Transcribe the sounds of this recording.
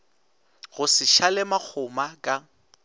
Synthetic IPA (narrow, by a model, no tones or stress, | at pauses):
ɣʊsɪʃalɪmak͡xʰʊmakʼa